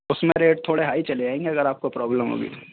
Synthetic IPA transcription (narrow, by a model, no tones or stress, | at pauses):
ʊsmẽɾeːʈ̚t̪ʰoːɽeɦaːit͡ʃɐled͡ʒaːẽːŋɡeɐɡəɾaːp̚kopɾɔːbləmɦo̰ːɡḭ